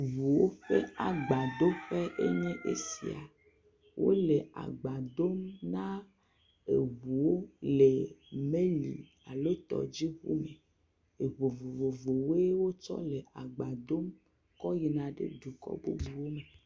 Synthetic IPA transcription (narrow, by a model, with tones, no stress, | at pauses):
vu˨wo˦ɸe˦a˨ɡ͡ba˨d̪o˦ɸe˦ʔe˦ɲɛ̃˦ʔe˦sḭ˨a̰˨ | wʔo̰˦le˨a̰˨ɡ͡ba˨d̪o˦mnã˦ | ḛ˨βu˨wo˦le˨mẽ˦lḭ˨ | a˨lo˦t̪ɔ̰˨d͡ʑi˦ɣṵ˦me˨ | e˨βo˨vo˨vo˨vo˨wo˦wo˦t͡ʃɔ̰˦le˨a˨ɡ͡ba˨d̪o˦m | kɔ˦ji˨nã˨ɖḛ˦ɖu˨kɔ̰˦bo̰˦bu˦wo˦me˨